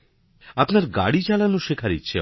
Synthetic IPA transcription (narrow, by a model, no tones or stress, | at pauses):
apnaɾɡa̰ɽit͡ɕalanoʃekʰaɾḭtːɕʰe